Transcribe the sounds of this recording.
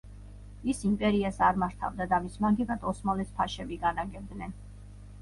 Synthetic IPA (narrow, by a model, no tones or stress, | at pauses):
isimpʼɛɾiasaɾmaɾt̪ʰa̰vd̪ad̪amismaŋɡiɡad̪ɔsmalɛspʰaʃɛbiɡanaɡɛb̚d̪nɛn